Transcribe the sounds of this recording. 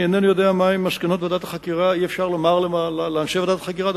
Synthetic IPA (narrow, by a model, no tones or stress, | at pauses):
enenujo̞d̪eamaemːaʃkeno̞t̪ved̪at̪ḁχakiʁaiefʃaʁlomaʁlealleamʃevad̪at̪ḁχakiʁad